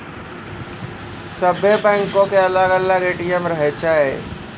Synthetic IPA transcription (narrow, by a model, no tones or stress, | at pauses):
səbebɛ̃ŋkõkeələɡəlaɾeːʈijəmɾəɦet͡ʃʰaːe